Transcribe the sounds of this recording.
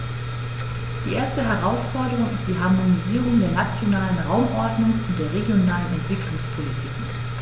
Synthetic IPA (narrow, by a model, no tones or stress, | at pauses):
d̥iːʔeːɐstəɦɛʁ̞aʊsfɔɐdəʁ̞ʊŋɪstd̥iːɦaɐmoniziːʁ̞ʊŋdeːɐnat͡sjonaːlənʁaʊmʔɔɐdnʊŋsʊntd̥eːɐʁeɡjonaːlənɛntv̥ɪklʊŋspʰolitʰiːkŋ̩